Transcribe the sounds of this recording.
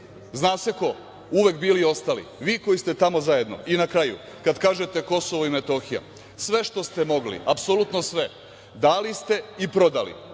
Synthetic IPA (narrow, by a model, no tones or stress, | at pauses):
znaːse̞ko̞ | uʋe̞kbiːlio̞st̪alḭʋiːko̞jist̪e̞t̪amo̞zaje̞d̪no̞̰ʔinakɾajṵ | kad̪kaːʒe̞t̪e̞ko̞so̞ʋoime̞t̪o̞xija̰ | sʋe̞ʃt̪o̞st̪e̞mo̞ɡlḭapsolut̪nosʋe̞ | d̪aːlist̪e̞ipɾo̞d̪alḭ